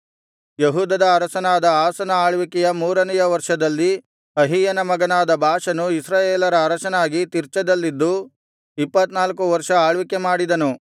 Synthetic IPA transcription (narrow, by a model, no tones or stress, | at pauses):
jɐɦuːd̪ɐd̪ɐːɾɐsɐnaːd̪ɐaːsɐnɐaːɭʋikɛjɐmuːɾɐnɛjɐʋɐɾʂɐd̪ɐlːi | ɐɦijɐnɐmɐɡɐnaːd̪ɐbʱaːʂɐnuisɾaːjeːlɐɾɐɾɐʃɐnaːɡit̪iɾt͡ʃɐd̪ɐlːid̪ːu | ipːɐt̪naːlkuʋɐɾʂɐaːɭʋikemaːɽid̪ɐnu